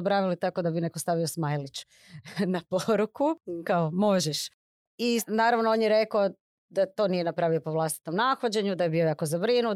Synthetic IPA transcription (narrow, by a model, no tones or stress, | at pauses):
bɾaʋilit̪ako̞d̪abine̞kost̪aʋiosmajlit͡ɕ | napoɾukukaomo̞ʒeʃ | inaːɾaʋnoonjeɾe̞koo | d̪at̪o̞nije̞napɾaːʋiopoʋlˠast̪i̥t̪o̞mnaxod͡ʑe̞ɲud̪ajebiojakozabɾinu